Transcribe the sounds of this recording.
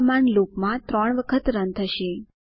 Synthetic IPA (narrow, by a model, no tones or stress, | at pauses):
manlokmãt̪ɾɔɳ̃ʋəkʰət̪ɾənt̪ʰəʃe